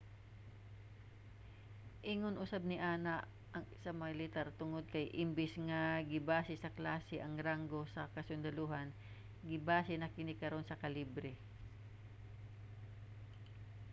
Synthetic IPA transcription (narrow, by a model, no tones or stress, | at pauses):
ʔiŋonʔʊsab̚nɪʔaːnaʔ | ɐŋsɐmɐŋalɪt̪aɾt̪ʊŋod̪̚kɐjʔɪmbɪsŋaɡɪbaːsɪsɐklaːsɛʔɐŋɾaŋɡo̞sɐkɐsʊnd̪ɐluːhɐn | ɡɪbaːsɛnɐkɪnɪkɐɾo̞nsɐkɐlibɾɛ